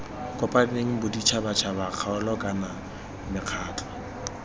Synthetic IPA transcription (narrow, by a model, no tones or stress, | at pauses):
kʼɔpʼadneŋ̩bʊdit͡ʃʰabat͡ʃʰabaq͡χʰaʊlɔkʼana | mɪq͡χʰaːtʰɔ̥